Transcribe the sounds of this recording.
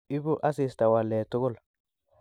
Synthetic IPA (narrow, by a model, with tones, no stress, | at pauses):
ɪ˦bʊ˦ʔa˦si˨st̪a˨wa˨lːeː˨t̪ːʊ˦ɡɔ˦l